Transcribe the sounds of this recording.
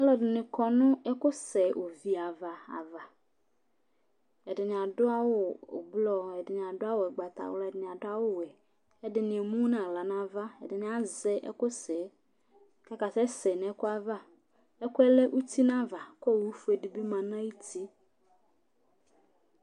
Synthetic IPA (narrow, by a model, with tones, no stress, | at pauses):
ɛ˦lɔ˨dɪ˨nɪ̃˨kɔ˨nʊ̃˦ɛ˦kʊ˦sɛ˨ʔo˨vi˨a˨va˨a̰˨va˨ | ɛ˨dɪ˨nɪ̃˨a˨dʊ˦a˦wʊ˦o̰˨ɡ͡blɔ˦ɛ˨dɪ˨nɪ̃˨a˨dʊ˦a˦wo˨ɛ˨ɡ͡ba˨t̪a̰˨wʊ̰˦la˨dɪ˨n˨a˨dʊ˦a˦wʊ˦wɛ˨ | ɛ˦dɪ˨nɪ̃˨e˨mũ˦nã˨la˨nã˦va˦ɛ̰˨dɪ˨nɪ̃˨˦a˦zɛ˦ʔɛ̰˦kʊ˦sɛ˨ | ka˦ka˨sɛ˦sɛ˨nɛ˨˦kʊ˦a˦˨va˦ | ɛ˦kʊ˦ɛ˦lɛ˦ʔu˦t̪i˦nã˦va˨kɔ˦˨wu˦fu˦e˨dɪ˨bi˦mã˨nã˦ji˦ti˦